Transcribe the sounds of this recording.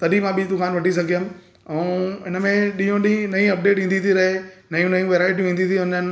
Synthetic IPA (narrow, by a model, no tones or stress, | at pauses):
t̪ɐɗimãɓid̪ʊkaːnʋɐʈis̬ɐɡʱijəm | ɛ̃ɪnəmẽɗĩjɦõɗĩĩnɐĩɐp̚ɖeːʈʋĩːnd̪iːt̪ʰiɾɐɦenɐjũnɐjũʋeːɾaːɪʈ̬jũʋĩːnd̪it̪ʰiʊ̃nən